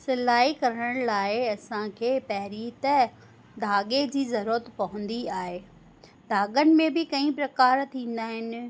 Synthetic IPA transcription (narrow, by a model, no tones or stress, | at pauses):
sɪlaːikɐɾəɽəɽ̃laːɪɐsãkʰeːpɐɦɪɾiːt̪ɐ | d̪ʱaːɠed͡ʑiːzɐɾuːɾət̪pɐɦʊ̃n̆d̪iaːɦeː | d̪ʱaːɠənɪ̆mẽbɪkɐĩpɾɐkaːɾt̪ʰĩːn̆d̪aːɦɪnɪ̆